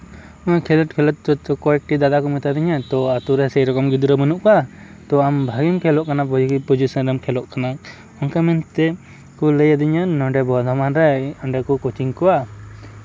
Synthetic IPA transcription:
ɔkʰɛlɔʈ̚kʰɛlɔt̪̚t͡ʃɔt͡ʃɔkɔɛk̚ʈid̪ad̪akɔmɛt̪ad̪iɲat̪ɔat̪uɾɛsəjɾɔkɔmɡid̪uɾəmənuʔka | t̪ɔambʱaɡimkʰɛlɔʔkanapud͡ʒpud͡ʒusənɾəmkʰɛlɔʔkana | ɔŋkamɛnt̪ɛ | kɔləjad̪iɲanɔɳɖɛbɔd̪ʱɔmanɾɛɔɳɖɛkɔkɔt͡ʃiŋkɔa

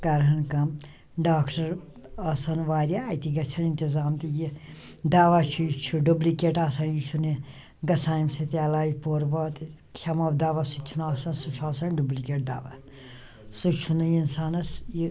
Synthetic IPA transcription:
kɐɾɦɐnkɐm | ɖaːkʈɐɾ | ɐsɐnʋaːɾiaːjt̪iɡɐt͡ʃʰɐnint̪izaːmt̪ijid̪aːʋaːt͡ʃʰujit͡ʃʰuɖublikeːʈaːsɐnjit͡ʃʰune | ɡɐsaːjmsɐt̪iɐlaːjpoːɾʋɐːt̪ | kʰɐmɐwd̪aːʋasut͡ʃʰunaːsɐnsut͡ʃʰuaːsɐnɖublikʲeːʈ̚d̪a̰ːʋa̰ | sut͡ʃʰunɨinsaːnɐsi

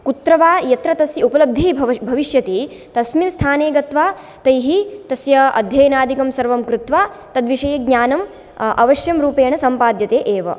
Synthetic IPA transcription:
kut̪ɾɐʋaːjɐt̪ɾɐt̪ɐsjɐupɐlɐb̚d̪ʱibʱɐʋiʃjɐt̪i | t̪ɐsminst̪ʰaːneːɡɐt̪ʋaː | t̪ɐjɦit̪ɐsjɐɐ̰d̪ʱjɐjɐnaːd̪ikɐmsɐɾʋɐmkɾut̪ʋaː | t̪ɐd̪ʋiʂɐjɐɡɲaːnɐm | ʔɐ̰ʋɐʃjɐmɾuːpeːɳɐsɐmpaːd̪jɐt̪eːʔeːʋɐ̰

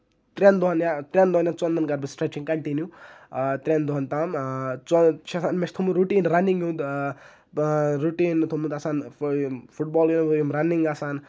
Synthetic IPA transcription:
t̪ɾʲend̪uɐnjat̪ɾʲend̪uanjat͡sɔnd̪ɐnɡɐɾbɨsʈɾet͡ʃiŋkɐɳʈinju | t̪ɾʲend̪uɦɐnt̪aːmt͡st͡ʃasaːnmest̪ʰumuɾuʈiːnɾɐniŋũnd̪ | ɾuʈiːnt̪ʰumund̪asaːn | fʰuʈ̚bɔːlinɐbuimɾɐniŋɡasaːn

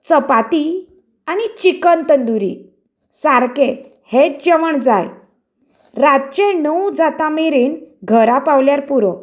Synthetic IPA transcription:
t͡səpat̪i | añit͡ɕikənt̪ənd̪uɾḭ | saɾke | heʈ̚d͡ʑəʋəɳd͡zaj | ɾat̚t͡ɕẽnəwd͡zat̪ameɾiːnɡʱəɾapawljaɾpuɾɔ

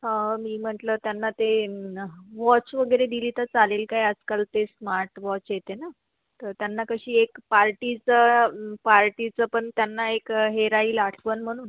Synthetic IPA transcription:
ɦãmiːm̤əʈlət̪janːat̪e | ʋɔt͡ɕʋəɡəjɾed̪ilit̪ət͡salelkajəd͡zkəlt̪esmaɾʈʋɔt͡ɕjet̪ena | t̪əɾt̪janːakəɕiːekpaɾʈit͡səpaɾʈit͡səpəɳt̪janːaekɦeɾaiːlaʈʰʋənm̤əɽ̃uːn

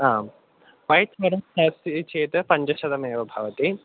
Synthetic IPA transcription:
aː | pɐɦjt̪ʋɐɾɐmsɐːst͡ʃeːt̪ɐpɐɲd͡ʒɐʃɐd̪ɐmeːʋɐbʱɐʋɐt̪i

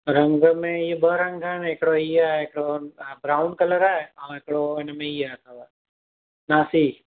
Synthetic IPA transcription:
ɾə̃ŋɡmẽjebəɾə̃ŋɡaneːkɽoiaːekɽobɾaːʊnkələɾaːɦaʋekɽoenəmẽiat̪ʰaʋa | naːsi

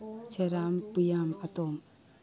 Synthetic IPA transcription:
sʰeɾampɯjamɐtɔm

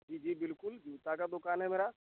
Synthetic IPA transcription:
d͡ʒiːd͡ʒiːbɪlkʊld͡ʒiʋt̪akad̪ʊkaːnɦɛmeːɾaː

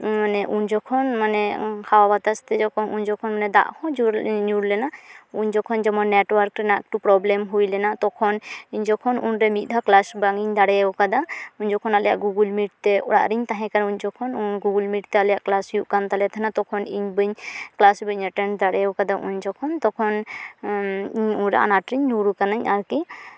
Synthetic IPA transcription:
manɛʔuɲd͡ʒɔkʰɔnmanɛkʰawabat̪ast̪ɛd͡ʒɔkʰɔnuɲd͡ʒɔkʰɔnmanɛd̪a̰ʔhɔ̃d͡ʒuɾɲuɾlɛnauɲd͡ʒɔkʰɔnd͡ʒɔmɔnːɛʈwaɾkɾɛnaʔk̚ʈupɾɔblɛmɦujlɛnat̪ɔkʰɔniɲd͡ʒɔkʰɔnunɾɛmit̪̚ˀd̪ʱaklasbaŋiɲd̪aɽɛwkad̪auɲd͡ʒɔkʰɔnalɛja̰ʔɡuɡulmiʈ̚t̪ɛʔɔɽa̰ʔɾiɲt̪aɦɛ̃kanuɲd͡ʒɔkʰɔnunɡuɡulmiʈt̪ɛalɛjaʔklasjuʔkant̪alɛt̪ʰɛnat̪ɔkʰɔniɲbəɲklasbəɲaʈɛnd̪aɽɛwkad̪aʔṵɲd͡ʒɔkʰɔnt̪ɔkʰɔn | iɲunɾɛ̰a̰naʈɾiɲːuɾukanaɲaɾki

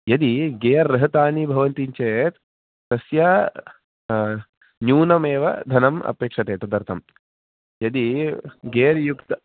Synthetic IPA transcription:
jɐd̪iɡeːɐɾːɐɦɐt̪aːnibʱɐʋɐnt̪iɲt͡ʃeːt̪ː | ɐsja | njuːnɐmeːʋɐ̰d̪ʱɐnɐmɐ̰peːkʂɐt̪eːt̪ɐd̪ɐɾt̪ʰɐm | jɐd̪iɡeːɾjukt̪ɐ

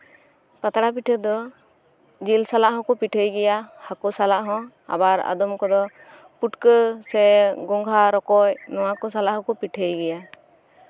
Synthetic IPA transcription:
pat̪aɽapiʈʰəd̪ɔ | d͡ʒilsalaʔɦɔ̃kɔpiʈʰəjɡɛjahakɔsalaʔɦɔ̃ | a̰baɾa̰d̪ɔmkɔd̪ɔ | puʈkəsɛɡɔŋɡʱaɾɔkɔjnɔwakɔsalaʔhɔ̃kɔpiʈʰəjɡɛja

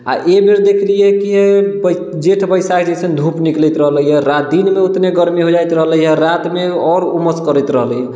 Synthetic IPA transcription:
a̰ʔebeɾd̪ekʰlijɛkiɦeb | d͡ʒeʈʰbəjsakd͡ʒɛsənd̪ʱupniklɛt̪ɾəɦləɦɛɾad̪inmeot̪neɡəɾmiɦod͡ʒajt̪ɾəɦləjɦɛɾat̪meɔɾuməskəɾət̪ɾəɦləjɦ

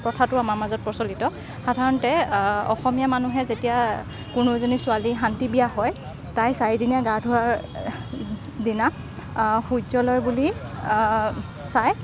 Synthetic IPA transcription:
pɹɔtʰatʊamaɹmazɔt̚pɔsɔlitɔ | xadʱaɹɔntɛɔ̰xɔmijamanuɦɛzetija | kʊnozonisʊalixantibijaɦɔj | tajsaidinijaɡadʱʊɹaɹ | dina | xuzɔlɔjbuli | saj

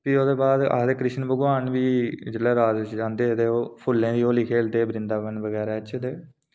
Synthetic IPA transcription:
piːoːd̪eːbaːd̪a̰ːd̪eːkɾɪʃnbəɡʋaːnʋiːd͡ʒelɛːɾaːd̪ɪt͡ʃd͡ʒãːnd̪eːt̪eːoːpʰʊlːẽːd̪iːoːlɪkʰeːld̪eːbɾɪ̃nd̪aːʋənʋəɡɛːɾɛːt͡ʃʰd̪eː

